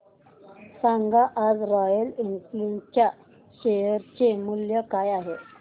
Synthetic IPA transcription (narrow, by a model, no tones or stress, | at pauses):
saŋɡaʔad͡zɾɔjəlinslint͡ɕja | ɕejəɾt͡ɕemuljəkajaɦe